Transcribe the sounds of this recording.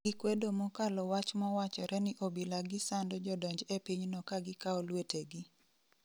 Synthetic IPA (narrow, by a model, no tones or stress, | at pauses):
ɡɪkwedomɔkalɔwat͡ʃmɔwat͡ʃɔɾʔɛnɪʔobilaɡɪsandɔd͡ʒɔdɔɲd͡ʒepiɲnɔkaɡɪkaɔlweteɡɪ